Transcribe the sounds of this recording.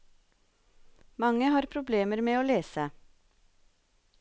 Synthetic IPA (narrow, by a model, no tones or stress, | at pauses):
mɑŋəhɑːɾpʰɾʊbleːməɾmeːoːleːsə